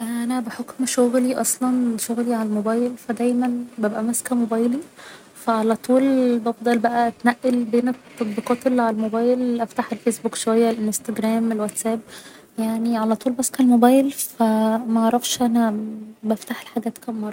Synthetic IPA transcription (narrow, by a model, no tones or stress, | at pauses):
ʔæʔænæbeħokmʃoɣliʔɑsˤlɑnʃoɣliʕalælmobæːjlfæd̪æjmænbæbʔæmæskæmobæːjli | fæʕalæt̪ˤuːlbɑfd̪ˤɑlbæʔæʔæt̪næʔːelbeːnet̪ːɑt̪ˤbiːqɑːt̪elːiʕalælmobæːjlʔæft̪aħelfesbukʃowæjːælʔenst̪æɡɾæːmelwæt̪sæːb | jaʕniʕalæt̪ˤuːlbæskælmobæːjlfæmæʔɑʕɾˤɑfʃʔænæbæft̪aħelħaɡæːt̪kæmːɑrˤːɑ